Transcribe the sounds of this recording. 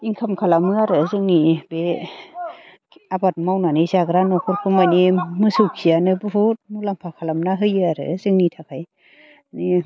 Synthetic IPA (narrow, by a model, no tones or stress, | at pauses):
iŋkʰamkʰalamɯaɾɯzɯŋnibe | abat̚mawnanɯsaɡɾanɔkʰɔɾkʰɯmanimɯsɯwkʰijanɯbɯɦut̚mulaŋpʰakʰalamnaɦɯjɯaɾɯ̰zɯŋnitʰakʰaj | ni